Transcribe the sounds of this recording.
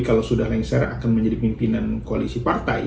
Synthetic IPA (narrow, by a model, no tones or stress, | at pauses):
kalawsudahlaiŋsɛɾakanməɲd͡ʒadipimpinankoalisipart̪a̰j